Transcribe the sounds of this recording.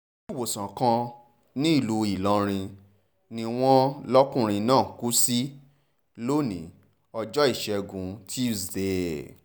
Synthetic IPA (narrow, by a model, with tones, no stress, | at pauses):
i˦˨wo˨sã˨kã˧ | nĩ˦i˦˨lu˧i˨lɔ̃˧ɾ̃ĩ˧ | nĩ˧w̃ɔ̃˦lɔ˦kũ˦˨ɾ̃ĩ˧nãː˦˨ku˦si˦ | lo˦nḭ̃˨˦ | ɔ˧d͡ʒɔ˦i˦˨ʃɛ˧ɡũ˨˦tʰi˦u˦˨sde˨